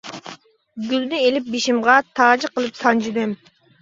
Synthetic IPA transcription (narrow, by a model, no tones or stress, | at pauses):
ɡʲylnɪelɪp̚biʃimʁɑt̪ʰɑːd͡ʒɪqəlˠɨpsɑnd͡ʒid̪ɛm